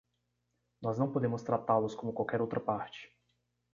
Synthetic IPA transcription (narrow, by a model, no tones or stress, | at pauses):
nɔznɐ̃w̃pod̪ẽmʊst̪ɾat̪alʊskõmʊkwawkɛɾowt̪ɾɐpaɾt͡ʃɪ̥